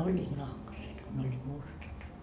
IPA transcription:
olʲːiːt nɑhkɑset ko ne olʲːiːt mustɑt

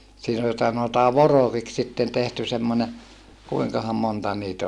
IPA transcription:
siːn ol sɑnotɑː ʋorokiks sitːen tehty semːonʲe kuiŋkɑhɑm montɑ niːt

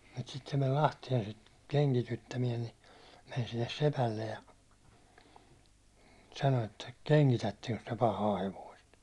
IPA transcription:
mut sit se men lɑhtien sit keŋkitytːæmiɛn ni men silːes sepælːej jɑ sɑno etːæ keŋkitætːeŋks tyø pɑhɑː heʋoist

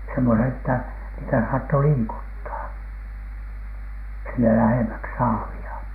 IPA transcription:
semːone tːæ niːtæ sɑːtːo liːkutːɑː sinːe læheˑmæks sɑːʋiɑ

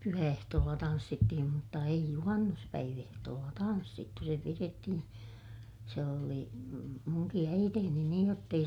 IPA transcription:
pyhæehtoːlːɑ tɑnsːitːihim mutːɑ eij juhɑnːuspæiʋ ehtoːlːɑ tɑnsːitːu se piretːihĩː se oli muŋki æiteːni niːj jotː ei

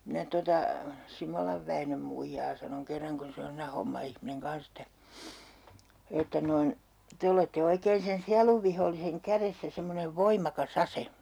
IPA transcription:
minæ totɑ simolɑʋ ʋæinøm muijɑː sɑnoŋ kerːɑŋ kun se on siːnæ homːɑihmineŋ kɑns etːæ etːæ noin te oletːe oikeːn sen siɑluʋːiholːiseŋ kæresːæ semːoneʋ ʋoimˑɑkɑs ɑse

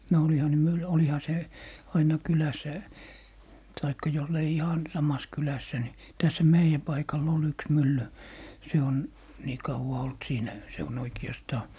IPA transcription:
no olihɑ ne myl olihɑ se ɑinɑ kylæsˑæ tɑikːɑ jolːei ihɑn sɑmɑs kylæsːæ ni tæshæ meijæ pɑikɑlː ol yks mylːy se on niː kɑuwɑ olt siːnæ se on oikiɑstɑː

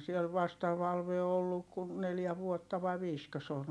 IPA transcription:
siel ʋɑstɑ ʋɑlʋe o olːuk kun neljæ ʋuotːɑ ʋɑi ʋiːskø se on

